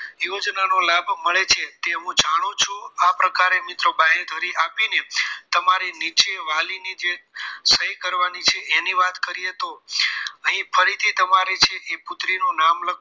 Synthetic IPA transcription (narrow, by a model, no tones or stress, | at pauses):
jod͡ʒnanolabʱməɭet͡ʃʰet̪eɦũd͡ʒaɽ̃ũt͡ʃʰuapɾəkaɾemɪt̪ɾobaɦeɾd̪ʱəɾiʔapinet̪əmaɾinit͡ʃeʋalinid͡ʒesəjkəɾʋanit͡ʃʰeʔeniʋat̪kəɾijet̪o | əɦĩfʰəɾit̪ʰit̪əmaɾet͡ʃʰeʔepʊt̪ɾinũnamlək